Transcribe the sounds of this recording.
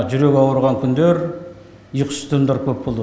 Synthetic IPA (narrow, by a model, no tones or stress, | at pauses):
ʒʏɾe̞kʲɑwəɾʁɑŋkʲʰʏnd̪eɾ | ijqʰə̥st̪ʰəmd̪ɑɾkʲʰɵpbolˠ